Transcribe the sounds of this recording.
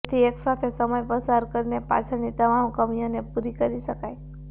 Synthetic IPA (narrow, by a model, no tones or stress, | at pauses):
t̪ʰieksat̪ʰesəməjpəsaɾkəɾinepa̰t͡ʃʰənit̪əmamkəmijonepuɾikəɾiʃəkaj